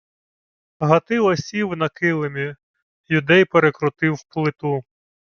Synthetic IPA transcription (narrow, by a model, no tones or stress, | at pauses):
ɦɐt̪ɪlˠɐsʲiwnɐkɪlˠemʲi | jʊd̪ɛjpeɾekɾʊt̪ɪwplˠɪt̪u